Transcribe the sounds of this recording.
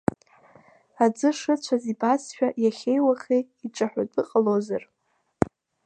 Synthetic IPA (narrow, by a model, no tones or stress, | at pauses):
ad͡zɨʂɨt͡ɕʷʰazibasʃᶣajaχʲejwaχʲeiʈ͡ʂʼaħʷᶣatʼɨqʼalozar